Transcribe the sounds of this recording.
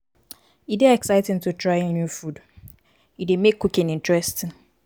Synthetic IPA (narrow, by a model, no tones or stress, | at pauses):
ideɛksaɪtɪ̃ŋtʰutʰɹaɪenjufud | idemekʰːukɪ̃nɪ̃ntʰɹɛstɪ̃n